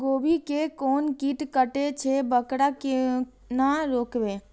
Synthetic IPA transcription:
ɡoːbikekɔːnkiːʈkəʈet͡ʃʰebəkɽake | naɾoːkbeː

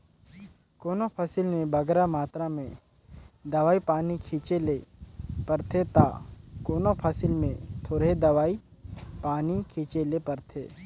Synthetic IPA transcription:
koːnopʰasɪlmẽbɐɡɾamaːt̪ɾamẽ | d̪ɐʋaːipaːnikʰĩːt͡ʃelepɐɾt̪ʰet̪a̰koːnopʰasɪlmẽt̪ʰoːɽed̪ɐʋaːi | paːnikʰĩːt͡ʃelepɐɾt̪ʰeː

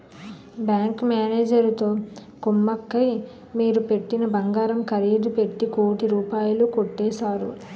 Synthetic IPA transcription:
bjaːŋkmaːneːd͡ʒɐɾt̪o̞ː | kumːɐkːɐj | miːɾupe̞ʈːinɐbɐŋɡaːɾɐmkɐɾeːd̪upe̞ʈːikoːʈiɾuːpaːjulukoʈːɛːsaːɾṵ

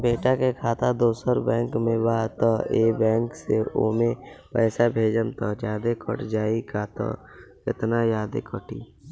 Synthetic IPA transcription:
beːʈakekʰaːt̪ad̪oːsəɾbɛ̃ːŋkmẽbaːt̪əeːbɛ̃ːŋkseo̰ːmẽpɛːsabʱeːd͡ʒəmt̪əd͡ʒjaːd̪ekəʈd͡ʒaːikat̪ə̰ | kɪt̪najaːd̪ḛkəʈḭː

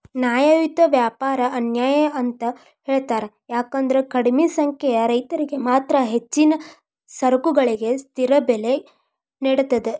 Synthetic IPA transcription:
njaːjɐʋit̪ɐʋjaːpaːɾɐɐnjaːjɐɐnt̪ɐ | ɦeːɭt̪aːɾe | jaːkɐnd̪ɐɾekɐɽimesɐŋkʰɛjɐɾɐjt̪ɐɾiɡe̞maːt̪ɾɐɦe̞t͡ʃːinɐ | sɐɾɐkuɡɐɭiɡe̞st̪iɾɐbɛle | niɽut̪ɐd̪e

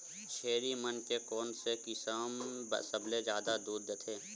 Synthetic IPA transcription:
ʃeːɾimənkekɔːnsekɪsəmbə̰səbled͡ʒjaːd̪ad̪uːd̪ːet̪ʰeː

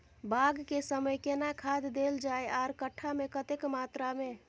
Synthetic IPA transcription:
baɡkesəməjkenakʰad̪d̪eld͡ʒaeaɾkəʈʰːamekət̪ekmat̪ɾame

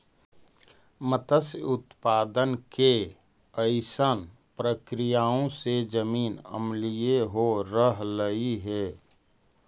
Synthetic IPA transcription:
mət̪əsʊt̪paːd̪ənke | əɪsən | pɾəkɾijaːõsed͡ʒəmiːnə̰mlijeɦoɾəɦləiɦɛː

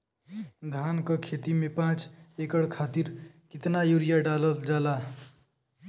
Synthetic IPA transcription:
d̪ʱaːnkəkʰeːt̪imẽpãːt͡ʃekəɽkʰaːt̪iɾ | kɪt̪najuːɾijaɖaːləld͡ʒaːla

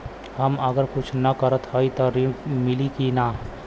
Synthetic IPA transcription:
hɐməɡəɾkʊt͡ʃʰnɐkəɾət̪ɦaːit̪ɔɾɪmɪlikinaː

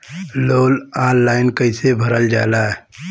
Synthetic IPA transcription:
loːlãːlːaːɪnkəɪsebʱəɾəld͡ʒaːlaːɛ

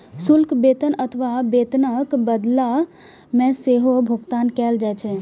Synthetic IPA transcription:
sʊlkbeːt̪ənət̪ʰʋabeːt̪nəkbəd̪la | mẽseɦobʱʊɡt̪aːnkɛːld͡ʒɛt͡ʃʰɛ

